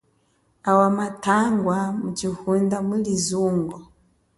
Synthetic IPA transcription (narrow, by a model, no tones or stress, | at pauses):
awamatʰaŋɡwamut͡ʃihundamulizuːŋɡɔ